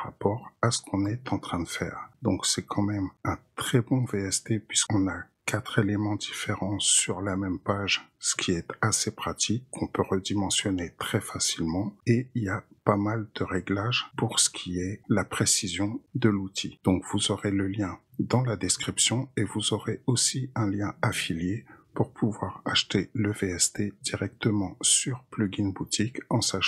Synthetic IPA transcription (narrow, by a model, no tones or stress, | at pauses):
ʁapɔʁasə̥kʰɔ̃nɛt̪ɑ̃t̪χɛ̃d̪əfɛ̰ːʁd̪ɔ̃ksɛkʰɑ̃mɛmɛ̃t̪χɛbɔ̃veɛst̪epɥiskɔ̃na | kat̪χelemɑ̃d̪ifeʁɑ̃syʁlamɛmpaʒsə̥kʲʰiɛt̪asepχat̪ʰikʰːɔ̃pøʁəd̪imɑ̃sjɔnet̪χɛfasilmɑ̃eiliapamald̪̥əʁɛɡlaʒpuʁsə̥kʲʰiɛlapχesizjɔ̃d̪əlut̪ʰid̪̥ɔ̃kvuzɔʁeləljɛ̃d̪ɑ̃lad̪ɛskχipsjɔ̃evuzɔʁeosiɛ̃ljɛ̃afiljepuʁpʰuvwaʁaʃt̪eləveɛst̪ed̪̥iʁɛk̚t̪əmɑ̃syʁplyɡinbut̪ikɑ̃saʃ